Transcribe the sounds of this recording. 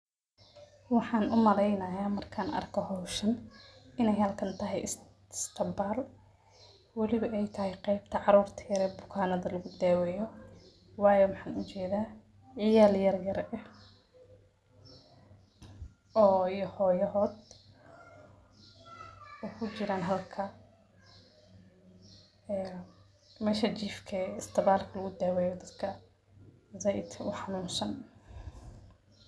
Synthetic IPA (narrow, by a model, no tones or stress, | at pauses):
wɑħɑːnʔʊmɐɾɛjnɐjaːmɐrkʰaːnʔɐ̰rkʰɔhɔwʃɐnɪnɛjhɐlkʰɐnt̪ʰɐɦɛjɪs | st̪ʰɐmbaːl | wɑlɪβɐʔɛjt̪ʰɐɦɛjqɛjb̚t̪ʰɐʕɑɾuːrt̪ʰɐjɐɾɛːbʊkʰaːnɐðɐlɐɣʊd̪ɛːwɛːjɔ | wɑːjɔmɑħɑːnʊt͡ʃɛːðaː | ʕɪjaːljɐrjɐɾɛ | ɔːijɔhɔːjɐɦɔːd̪ | ɔːkʰʊt͡ʃɪɾaːnɦɐlkʰɐ | ɛː | mɛːʃɐt͡ʃiːfkʰɛɪst̪ʰɐβaːlkʰɐlɐɣʊd̪ɛːwɛːjɔd̪ɐd̪kʰɐ | zɛjd̪kʰʊ̰ħɑnuːnsɐn